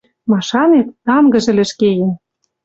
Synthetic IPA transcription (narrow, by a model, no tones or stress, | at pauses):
mɑʃɑnet̪ːɑmɡɤ̆ʒɘ̆lɘ̆ʃkejɘ̆n